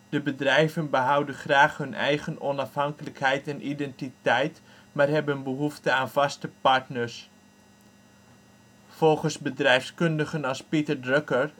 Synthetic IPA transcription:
d̥əbədrɛjvənbəɦʌwdənχraːχhɵnʔɛ̰jχənɔnɑfɦɑŋkələkhɛjtɛnʔidɛntitɛjt | maːrɦɛbənbəɦuftəaːnvɑstəpɑɹtnəɹs | fɔlˠχəsbədrɛjfskɵndəχənɑspitəɹdrøkəɹ

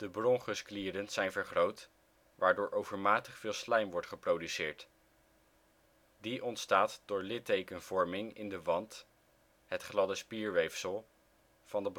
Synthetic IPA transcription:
d̥əbrɔŋχəskliːdənz̥ɛjnvəɹχrowt | ʋaːɹdʊːɹʔowvəɹmaːtəχfɪːlˠslɛjmʋɔɹtχəprowdysɪːɹt | diʔɔntstaːtdʊːɹlɪtejkənv̥ɔɹmɪŋɪ̰ndəʋɑnt | ɦətχlɑdəspiːɹʋejfsəlˠ | vɑndəb

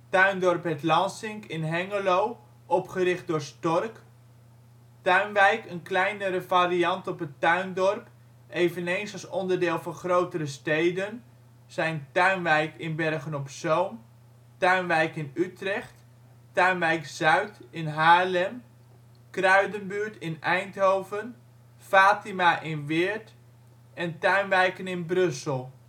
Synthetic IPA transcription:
tœɥndɔrpɛtlɑnsɪŋkɪnɦɛŋəlow | ʔɔpχəɾɪχt̚dʊːrstɔrk | tœɥnʋɛjkənklɛjnəɾəvarijɑntɔpətœɥndɔrp | ʔejvənejnsɑlˠsɔndərdɪːlˠvɑnχrowtərəstejdən | sɛjntœɥnʋɛjkɪnbɛrχənɔpsowm | tœɥnʋɛjkɪnytrɛxtː | œɥnʋɛjkz̥œɥtɪnɦaːlɛm | krœɥdənbyətɪnɛjnthowvən | faːtimaʔɪnʋɪːɹt | ɛntœɥnʋɛjkənɪnbrɵsəlˠ

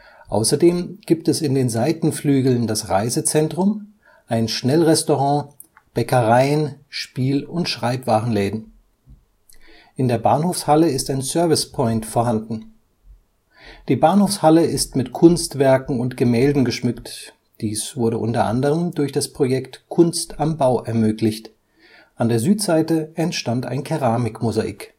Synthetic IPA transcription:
ʔa̰ʊsɐdeːmɡ̥iːp̚tɛsɪndeːnzaɪtn̩flyːɡl̩ndasʁa̰ɪzət͡sɛntʁ̥ʊm | ʔaɪnʃnɛlʁɛstoʁɑ̃ | b̥ɛkəʁaɪənʃpiːlʊntʃʁ̥aɪpv̥aːʁən̩lɛːdn̩ | ʔɪndeːɐbaːnhoːfshaləɪstaɪnsœɐvɪspʰɔʏntfoːɐɦandn̩ | d̥iːbaːnhoːfshaləɪstmɪtkʰʊnstv̥ɛɐkŋ̩ʊntɡ̥əmɛːldn̩ɡəʃmʏkt | d̥iːsv̥ʊɐɾəʔʊntɐʔa̰ndəʁ̞əmdʊɐçd̥aspʁ̥ojɛktkʰʊnstambaʊʔɛɐmøːklɪçt | ʔandeːɐzyːtz̥aɪtəɛntʃtanta̰ɪnkʰeʁaːmɪkmʊzaʔḭːk

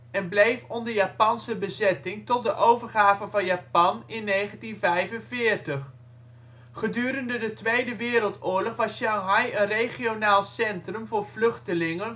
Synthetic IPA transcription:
ɛnblejfɔndəɹjaːpɑnsəbəzɛtɪŋtɔt̚dəʔowvəɹχaːvənvɑnjaːpɑnɪnːejχəntinvɛjvənvɪːɹtəχ | χədyːɾəndədətʋejdəʋɪːɾəlˠtʊːɹlɔχʋɑsʃɑŋɦɑjənrejχionaːlˠsɛntrəmvʊːɹv̥lɵχtəlɪŋən

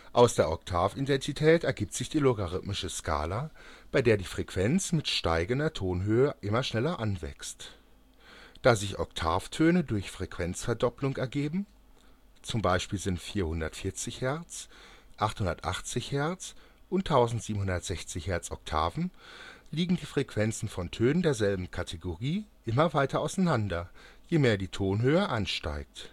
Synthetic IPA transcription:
ʔaʊsd̥eːɐʔɔktʰaːfidɛntʰitʰɛːtɛɐɡiːp̚tz̥ɪçd̥iːloɡaʁɪtmɪʃəskʰa̰ːlab̥aɪdeːɐdiːfʁ̥ɛkv̥ɛnt͡smɪtʃta̰ɪɡəndɐtʰoːnɦøːəʔɪmɐʃnɛlɐʔanvɛ̰kst | d̥aːzɪçʔɔ̰ktʰa̰ːftʰøːnədʊɐçfʁ̥ɛkv̥ɛnt͡sfɛɐdɔplʊŋɛɐɡeːbm̩ | t͡sʊmbaɪʃpiːlzɪntfiːɐhʊndɐtfɪɐt͡sɪçhɛɐt͡sʔaχthʊndɐtʔa̰χt͡sɪçhɛɐt͡s | ʔʊntʰːaʊzn̩tz̥iːbm̩hʊndɐtz̥ɛçt͡sɪçhɛɐt͡sʔɔ̰k̚tʰa̰ːvn̩liːɡŋ̩diːfʁ̥ekv̥ɛnt͡sn̩fɔntʰøːnəndeːɐzɛlbm̩kʰatʰeɡoʁiːʔɪmɐvaɪtʰɐaʊsaɪnandɐjeːmeːɐdiːtʰoːnɦøːəʔanʃta̰ɪk̚t

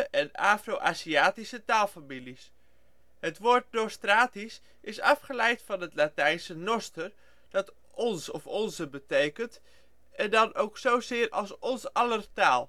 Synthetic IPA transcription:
ʔɛna̰ːfrowʔa̰ːsiaːtisətaːlˠfamilis | hətʋoːt̚nostraːtis | ɪsɑfχəlɛjtfɑnɦətlatɛjnsənɔstər | d̥ɑt | ʔɔnsɔfɔnzəbətejkənt | ɛndɑnowksowzɪːrʔɑlˠsɔnsɑlərtaːlˠ

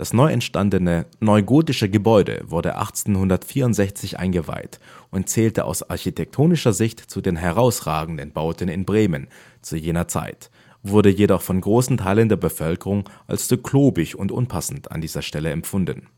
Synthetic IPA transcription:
d̥asnɔʏɛ̰ntʃtandənənɔʏɡoːtɪʃəɡəbɔʏdə̰vʊɐdə̰ʔa̰χt͡seːnɦʊndɐtfiːɐʊntz̥ɛçt͡sɪçʔa̰ɪnɡəva̰ɪtʔʊntt͡sɛːltəʔa̰ʊsa̰ɐçitʰɛk̚tʰoːnɪʃɐzɪçtt͡sudeːnɦɛʁ̞aʊsʁ̥a̰ːɡŋ̩dənbaʊtənɪnbʁeːmən | t͡sujeːnɐt͡sa̰ɪt | v̥ʊɐdəjedɔχfɔnɡʁoːsn̩tʰaɪləndeːɐbəfœlkəʁʊŋʔa̰lsz̥ukʰloːbɪçʊntʔʊ̰npʰasn̩tʰa̰ndiːzɐʃtɛləɛmfʊndn̩

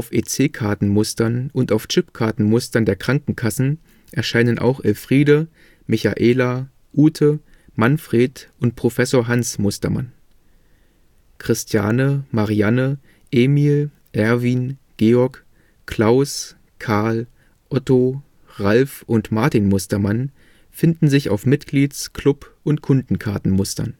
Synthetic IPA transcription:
aʊfʔeːt͡seːkʰaɐtn̩mʊstɐnʊntaʊft͡ʃɪpkʰaɐtn̩mʊstɐndeːɐkʁ̥aŋkŋ̩kʰasn̩ | ʔɛɐʃaɪnənʔa̰ʊxʔɛlfʁ̥iːdə | mɪça̰ʔeːla | ʔuːtʰə | manfʁ̥eːtʊnt̚pʁ̥ofɛsoːɐɦansmʊstɐma̰n | kʁ̥ɪstʰja̰ːnəmaʁianə | ʔeːmiːl | ʔɛɐviːnɡ̥eːɔɐk | kʰl̥aʊs | kʰaɐl | ʔɔto | ʁalfʔʊntmaɐtinmʊstɐman | fɪndn̩zɪça̰ʊfmɪtɡ̥liːt͡skʰlʊpʊntkʰʊndn̩kʰaɐtn̩mʊstɐ̰n

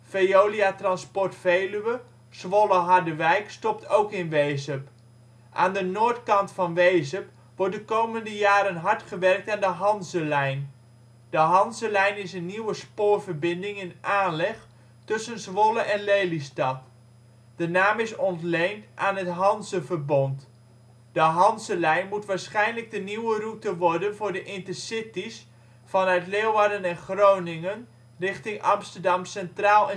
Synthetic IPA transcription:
fejowliatrɑnspɔɹtfejlyʋə | z̥ʋɔləɦɑɹdəʋɛjkstɔp̚tʰowkɪnʋejzəp | ʔa̰ːndənoːɹtkɑntfɑnʋejzəp | ʋɔɹt̚dəkowməndəjaːɾənɦɑɹtχəʋɛrk̚taːndəɦɑnzəlɛjn | d̥əɦɑnzəlɛjnɪsənːiwəspoːɹvəɹbɪndɪŋɪnʔaːnlɛχ | tɵsənzʋɔləʔɛnlejlistɑt | d̥ənaːmɪsɔntlejntʔaːnɦətɦɑnzəvərbɔnt | d̥əɦɑnzəlɛjnmutʋaːɹsχɛjnləɡ̚dəniwərutəʋɔrdənvʊːɹdəʔɪntəsɪtis | fɑnœɥtleːwʋaːdənɛnχrownɪŋən | rɪχtɪŋʔɑmstədɑmsɛntraːlˠɛ

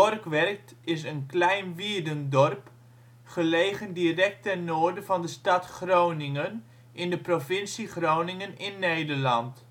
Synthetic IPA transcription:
ɔrkʋɛrk̚t | ɪs̬ənklɛjnʋiːdəndɔrp | χəleːχəndirɛk̚tɛnnːoːɹdəvɑndəstɑtχrownɪŋən | ʔɪndəprovɪnsiχrownɪŋənɪnːejdərlɑnt

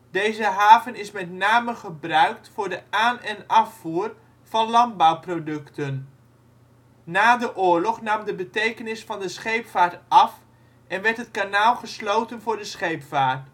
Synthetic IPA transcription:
dejzəɦaːvənɪsmɛtnaːməχəbrœɥk̚tfʊːɹdəaːnɛnɑfːuːr | v̥ɑnlɑnd̚bɑwprodɵktən | aːdəʔʊːɹlɔχnɑmdəbətejkənɪsfɑndəsχejpfaːɹtʔɑf | ʔɛnʋɛɹtɦətkanaːlˠχəslowtənvʊːɹdəsχejpfaːɹt

